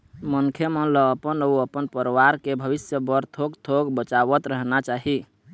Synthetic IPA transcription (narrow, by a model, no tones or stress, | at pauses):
mənkʰemənləːpənəuəpənpəɾʋaɾkebʱəbisjəbəɾt̪ʰoɡt̪ʰoɡbət͡ʃaβət̪ɾəɦnat͡ʃaɦi